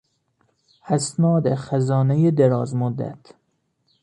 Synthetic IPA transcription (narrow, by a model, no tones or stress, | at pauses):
hæsnɒːd̪exæzɒːnejed̪eɾɒːzmod̪ːæ̰t̪ʰ